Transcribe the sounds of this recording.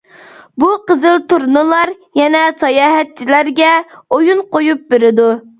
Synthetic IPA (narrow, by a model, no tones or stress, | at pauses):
buqəzɨlˠt̪uɾnɨlˠɑɾ | jɛnɛsɑjɑːɦɛt̪̚t͡ʃʰilæɾɡʲɛojunqojup̚beɾɪd̪u